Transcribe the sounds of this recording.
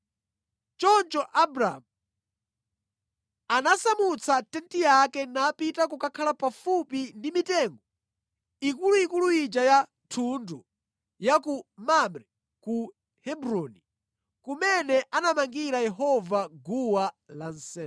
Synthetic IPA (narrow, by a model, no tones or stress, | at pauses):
t͡ʃɔnt͡ʃɔʔabɾamu | anasamut͡sʰatɛntijakɛnapitakukakʰalapafupindimitɛŋɡɔ | ikuluikuluid͡ʒaja | tʰundu | jakumamɾɛ | ku | hɛbɾɔni | kumɛnɛʔanamaŋɡiɾajɛɦɔvaɡuwalan̩sɛ